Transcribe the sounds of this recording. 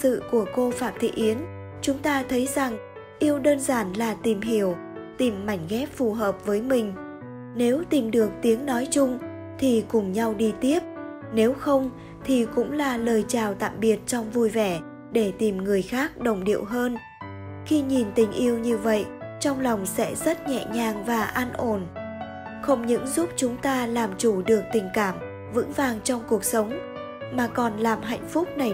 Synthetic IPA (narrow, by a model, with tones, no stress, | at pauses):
sɨ̰˧˨ku˧˩əko˧faː˦˥p̚t̪ʰḭ˧˨ʔi˨˦ən | t͡ɕʊ˨˦ŋ͡mt̪aː˧t̪ʰə˨˦jza˨˩ŋ | ʔi˧əwɗəː˧nzaː˧˩nlaː˨˩t̪i˨˩mɦi˧˩əw | t̪i˨˩mːa˧˩jŋ̟ɣɛ˦˥p̚fu˨˩ɦəː˨˩p̚vəː˨˦jmï˨˩ŋ̟ | ne˨˦wt̪i˨˩mɗɨ˨˩ək̚t̪i˨˦əŋnɔ˨˦jt͡ɕʊ˧ŋ͡m | t̪ʰi˨˩kʊ˨˩ŋ͡mɲa˧wɗi˧t̪i˦˥əp̚ | ne˨˦wxə˧wŋ͡m | t̪ʰi˨˩kʊ̰˧˥ŋ͡mlaː˨˩ləː˨˩jt͡ɕaː˨˩wt̪a̰ː˧˨mɓi˨˩ət̚t͡ɕɔ˧wŋ͡mvu˧jvɛ˧˩ | ɗe˧˩t̪i˨˩mŋɨ˨˩əjxaː˦˥k̚ɗə˨˩wŋ͡mɗḭ˧˨əwɦəː˧n | xi˧ɲi˨˩nt̪ï˨˩ŋ̟ʔi˧əwɲɨ˧və̰˧˨jt͡ɕɔ˧wŋ͡mlɔ˨˩wŋ͡msɛ̰˧˥zə˦˥t̚ɲɛ̰˧˨ɲaː˨˩ŋvaː˨˩ʔaː˧nʔo˧˩n | xə˧wŋ͡mɲɨ̰˧˥ŋzu˦˥p̚t͡ɕʊ˨˦ŋ͡mt̪aː˧laː˨˩mt͡ɕu˧˩ɗɨ˨˩ək̚t̪ï˨˩ŋ̟kaː˧˩m | vɨ̰˧˥ŋvaː˨˩ŋt͡ɕɔ˧wŋ͡mku˨˩ək̚sə˨˦wŋ͡m | maː˨˩kɔ˨˩nlaː˨˩mɦa̰˧˨jŋ̟fʊ˦˥k͡p̚na˨˩